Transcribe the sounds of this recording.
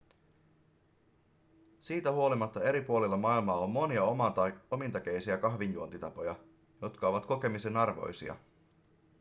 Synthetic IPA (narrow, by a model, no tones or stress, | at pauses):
siːt̪æhuolimɑt̪ːɑe̞ɾipuo̞lilːɑmɑilmɑːomːo̞niɑo̞mint̪ɑk̟ejsiækɑɦʋinjuont̪it̪ɑpo̞jɑ | jo̞t̪kɑo̞ʋɑt̪ko̞ke̞mise̞nɑrʋo̞̰jsḭɑ̰